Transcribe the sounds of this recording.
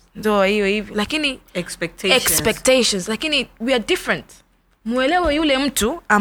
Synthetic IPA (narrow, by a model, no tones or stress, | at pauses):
ndɔahijɔhivilakiniɛkspɛk̚tʰɛkspɛk̚teʃɔ̃nslakiniwiadifɾɛ̃nt | muɛlɛwɔjulɛm̩tua